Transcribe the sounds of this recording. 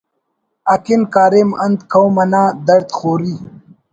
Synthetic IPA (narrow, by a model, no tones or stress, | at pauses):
ɐkinkaːɾemɐnd̪kʰɐwmɐnãːd̪ɐɾt̪xoːɾi